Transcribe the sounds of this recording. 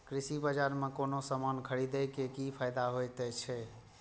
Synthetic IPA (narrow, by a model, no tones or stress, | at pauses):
kɾisibad͡ʒaɾmekonosəmankʰəɽid̪ɛjkekipʰajd̪aɦojt̪ɛt͡ʃʰɛ